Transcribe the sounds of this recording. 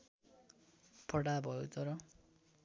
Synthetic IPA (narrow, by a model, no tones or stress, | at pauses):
pʰʌɽabʱʌjot̪ʌɾʌ